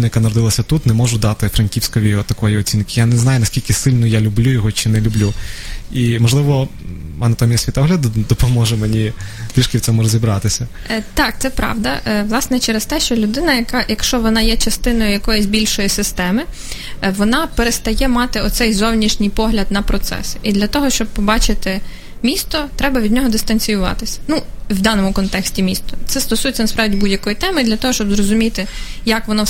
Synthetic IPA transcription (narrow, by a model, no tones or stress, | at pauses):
nɐjɐkanɐɾɔd̪ɪlˠɐsʲɐt̪ut̪nɛmɔʒʊd̪ɑt̪ɪfɾɐnʲkʲiwsʲkɔʋʲiɔt̪ɐkɔjiɔt͡sʲinkɪjanɛznɑjʊnɐsʲkʲilʲkɪsɪlʲnɔjʊjalʲʊblʲujɔɦɔt͡ʃɪnɛlʲʊblʲuimɔʒlˠɪʋɔ | ɐnɐt̪ɔmjasʲʋʲit̪ɔɦlʲɐd̪ʊd̪ɔpɔmɔʒɛmenʲid̪ʲiʃkɪwt͡sʲɔmʊɾɔzʲibɾɑt̪ɪsʲɐ | t̪ɑk̚t̪sɛpɾɑ̰wd̪ɐʋlˠɑsnɛt͡ʃɛɾɛst̪ɛʃt͡ʃɔlʲʊd̪ɪnɐjɐkɑjɐkʃt͡ʃɔʋɔnɑjɛt͡ʃɐst̪ɪnɔjʊjɐkɔjɔsʲbʲilʲʃɔjisɪst̪ɛmɪ | ʋɔnɑpeɾest̪ɐjɛmɑt̪ɪɔt̪sɛjzɔwnʲiʃnʲijpɔɦlʲɐd̪̚nɐpɾɔt̪sɛ̰sid̪lʲɐt̪ɔɦɔʃt͡ʃɔb̚pɔbɑt͡ʃɪt̪ɪ | mʲist̪ɔt̪ɾɛbɐʋʲid̪ʲnʲɔɦɔd̪ɪst̪ɐnʲsʲijʊʋɑ̰t̪ɪsʲɐ̥nuwd̪ɑnɔmʊkɔnt̪ɛksʲtʲimʲist̪ɔt̪sɛst̪ɔsujett͡sʲːɐnɐspɾɑʋʲdʲibudʲjɐkɔjit̪ɛmɪd̪lʲɐt̪ɔɦɔʃt͡ʃɔbzrɔzʊmʲit̪ɪjɐkʋɔnɔ